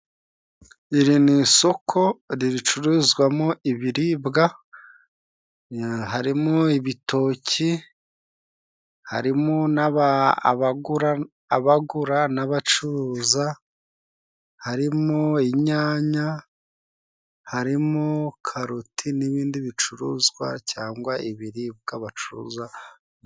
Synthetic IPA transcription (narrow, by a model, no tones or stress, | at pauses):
iɾiniso̞kʰo̞ɾiɾit͡ʃuɾizɡwamoiβiɾiːbɡa | ɦaɾimoiβito̞cʰi | ha̰ɾimonaβa̰βaɡuɾaː | βaɡuɾanaβat͡ʃuɾuza | haɾimoiɲaːɲa | haɾimukʰaɾutʰiniβiːndiβit͡ʃuɾuzɡwa̰caːŋɡwaiβiɾiːb̚ɡ̥aβat͡ʃuɾṵza